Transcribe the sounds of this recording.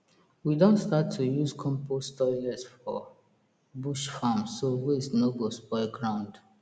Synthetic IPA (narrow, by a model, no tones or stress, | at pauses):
widõntstatʰːujuskʰɔ̃mpʰostɔɹiɛsfɔ | buʃfãmsowisnoɡosbɔɪɡɹãʊ̃nd̥